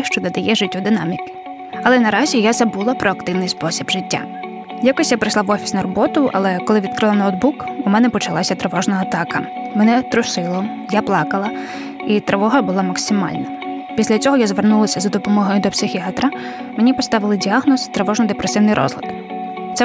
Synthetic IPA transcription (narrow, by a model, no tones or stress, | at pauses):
ʃt͡ʃɔd̪ɐd̪ɐjɛʒɪtʲːud̪ɪnɑmʲikɪ̥ | ɐlˠɛnɐɾɑzʲijazɐbulˠɐpɾɔɐk̚t̪ɪwnɪjspɔsʲibʒɪtʲːa̰ | jakɔsʲjapɾɪjʃlˠaʋɔfʲi̥sʲnɐɾɔbɔt̪ʊʔɐ̰lˠɛkɔlˠɪʋʲid̪̚kɾɪlˠɐnɐɔd̪̚bukumɛnɛpɔt͡ʃɐlˠɑsʲɐt̪ɾeʋɔʒnɐːt̪ɑkɐ | mɛnɛt̪ɾʊsɪlˠɔ | japlˠɑkɐlˠɐ | it̪ɾeʋɔɦɐbʊlˠɑmɐksʲɪmɑ̰lʲnɐ | pʲisʲlʲɐt͡sʲɔɦɔjazʋernulˠɐsʲɐzɐd̪ɔpɔmɔɦɔjʊd̪ɔpsɪxʲiɑt̪ɾɐ | menʲipɔst̪ɑʋɪlˠɪdʲiaɦnɔst̪ɾeʋɔʒnɔd̪epɾʔesɪwnɪjɾʔɔ̰zlˠɐ̰d̪̥ | t̪ɛ